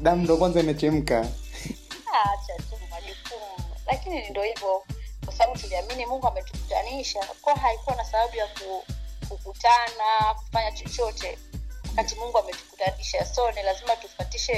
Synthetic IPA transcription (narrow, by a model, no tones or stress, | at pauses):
ɗam̩dɔkwanzainɛt͡ʃɛm̩ka | at͡ʃatumaʄukumulakininindɔhivɔkwasaɓaɓutuliaminimuŋɡuamɛtukutaniʃakɔaɦaikuwanasaɓaɓujakukukutanaku̥faɲat͡ʃɔt͡ʃɔtɛwakatimuŋɡuamɛtu̥kutaniʃasɔnɛlazimatufatiʃɛ